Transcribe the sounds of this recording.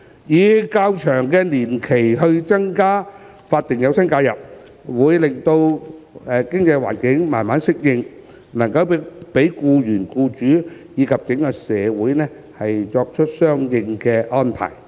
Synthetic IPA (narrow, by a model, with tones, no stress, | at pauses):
jiː˨˥kaː˧wt͡ʃʰœː˨˩ŋkɛː˧niː˨˩nkʰe˨˩jɦɵ˧ɥt͡sɐ˥ŋkaː˥ | faː˧t̚t̪ɪ˨ŋjɐ˨˧wsɐ˥nkaː˧wjɐ˨p̚ | wuː˨˧jlɪ˨ŋt̪o˧wɛ˨˧kɪ˥ŋt͡sɐ˧jwa̰ː˨˩nkɪ˨˥ŋma̰ː˨˩nmaː˨˥nsɪ˥k̚jɪ˧ŋ | nɐ˨˩ŋkɐ˧wpe˨˥jkuː˧ɥyː˨˩nkuː˧t͡ʃyː˨˥jiː˨˧kʰɐ˨p̚kɪ˨˥ŋkɐ˧sɛː˨˧wuː˨˥jnɛː˥ | hɐ˨jt͡sɔː˧k̚t͡ʃʰɵ˥t̚sœː˥ŋjɪ˧ŋkɛː˧ʔɔː˥npʰa̰ː˨˩j